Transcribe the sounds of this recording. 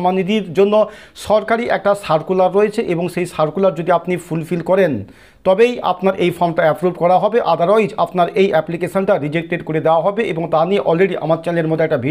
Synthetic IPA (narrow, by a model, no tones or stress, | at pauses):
manid̪iɾd͡ʑonːoʃɔɾkaɾiʔɛ̰k̚ʈasaɾkulaɾːoet͡ɕʰeʔeboŋʃejsaɾkulaɾd͡ʑod̪iapnifulfilkɔɾen | t̪ɔbeja̰pnaɾʔejfɔɾmʈaɛpɾuɖkɔɾaɦɔbeʔad̪ʱaɾɔjd͡ʑapnaɾejʔɛplikeʃonʈaɾid͡ʑek̚ʈeɖkoɾed̪eoaɦɔbeʔeboŋt̪anieʔɔlɾeɖiʔa̰maɾt͡ɕaleɾmod̪ʱeɛk̚ʈabʱi